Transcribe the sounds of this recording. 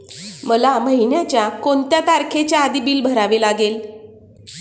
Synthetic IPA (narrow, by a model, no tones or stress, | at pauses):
məlaməɦinjat͡ɕjakont̪jat̪aɾkʰet͡ɕjaːd̪ibiːlbʱəɾaʋelaɡel